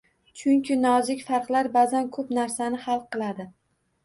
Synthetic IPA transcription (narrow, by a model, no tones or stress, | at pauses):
t͡ʃʰʊŋkʲʰɪnɒzɪkʲfɑɾqlˠaɾbazankʰɵpnaɾsanɪhalˠqʰɨlˠad̪ɪ